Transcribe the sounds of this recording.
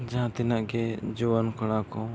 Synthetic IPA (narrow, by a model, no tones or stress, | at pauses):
d͡ʒããt̪inaʔɡɛd͡ʒɔwankɔɽ̃akɔ